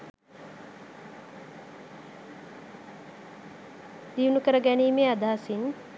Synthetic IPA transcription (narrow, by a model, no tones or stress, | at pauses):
d̪iːunukəɾəɡæniːmead̪aːsin